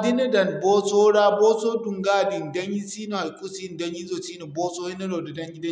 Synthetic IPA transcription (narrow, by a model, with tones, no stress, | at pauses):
di˦nɐ˦dɐ˨nboː˦soː˦ɽaː˦boː˦soː˦dʊ˨ŋɡaː˦˨dɪ˨ndɐ˦ɲji˦siː˦no˨ha˨kʼu˦si˦n˨dɐ˦ɲji˦zoː˨t͡ʃiː˦no˨boː˦soː˦hi˦nɐ˦ɾoː˨da˨dɐ˦ŋɡʲɪ˦dɐ˦